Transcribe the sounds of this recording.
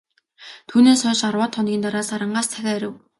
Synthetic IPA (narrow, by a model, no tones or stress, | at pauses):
t̪ʰuːneːsœːʃarwaːt̪ʰːɔnɡʲiːnt̪aɾaːsaɾə̆ɴɢaːst͡sʰæxʲæːɾə̆w